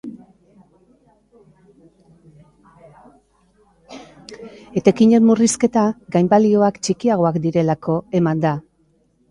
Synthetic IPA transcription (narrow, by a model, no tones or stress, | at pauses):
e̞t̪e̞kiɲe̞nmuriske̞t̪aɡajmbalio̞akt͡ʃikiaɣ̞o̞akd̪iɾe̞lako̞e̞mand̪a